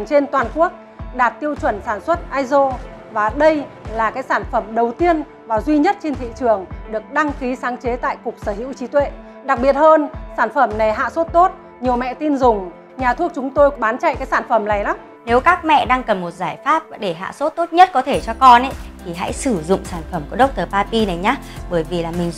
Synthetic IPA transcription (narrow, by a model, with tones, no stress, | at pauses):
ŋt͡ɕe˧nt̪waː˨˩nku˦˥ək̚ | ɗaː˨˩t̚t̪i˧əwt͡ɕwə˧˩nsaː˧˩nswə˦˥t̚ʔaː˧jzo˧ | vaː˨˩ɗə˧jlaː˨˩kaː˨˦jsaː˧˩nfə˧˩mɗə˨˩wt̪i˧ən | vaː˨˩zwi˧ɲə˦˥t̚t͡ɕe˧nt̪ʰḭ˧˨t͡ɕɨ˨˩əŋɗɨ˨˩ək̚ɗa˧ŋki˨˦saː˨˦ŋt͡ɕe˨˦t̪a̰ː˧˨jkʊ˨˩k͡p̚səː˧˩ɦḭ˧˥wt͡ɕi˨˦t̪wḛ˧˨ | ɗa˨˩k̚ɓi˨˩ət̚həː˧nsaː˧˩nfə˧˩mna˨˩jɦa̰ː˧˨so˦˥t̚t̪o˦˥t̚ | ɲi˨˩əwmɛ̰˧˨t̪i˧nzʊ˨˩ŋ͡m | ɲaː˨˩t̪ʰu˦˥ək̚t͡ɕʊ˨˦ŋ͡mt̪o˧jɓaː˨˦nt͡ɕa̰˧˨jkaː˨˦jsaː˧˩nfə˧˩mna˨˩jla˨˦m | ne˨˦wkaː˦˥k̚mɛ̰˧˨ɗaː˧ŋkə˨˩mmo˨˩t̚zaː˧˩jfaː˦˥p̚ɗe˧˩ɦa̰ː˧˨so˦˥t̚t̪o˦˥t̚ɲə˦˥t̚kɔ˨˦t̪ʰe˧˩t͡ɕɔ˧kɔ˧nʔə˨˦jt̪ʰi˨˩ɦa̰˧˥jsɨ˧˩zʊ̰˧˨ŋ͡msaː˧˩nfə˧˩mku˧˩əɗə˦˥wk͡p̚t̪əː˨˩paː˧pi˧na˨˩jɲaː˨˦ɓəː˧˩jvi˨˩laː˨˩mï˨˩ŋ̟